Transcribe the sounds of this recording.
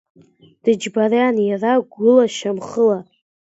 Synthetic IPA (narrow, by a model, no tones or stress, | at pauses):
d̥ɨd͡ʒbaraanjaraɡʷʊlaʃamχəla